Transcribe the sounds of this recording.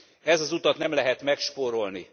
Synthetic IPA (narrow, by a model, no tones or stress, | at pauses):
ɛzɒzut̪ɒt̪nɛmlɛɦɛt̪mɛkʃpoːɾo̞lni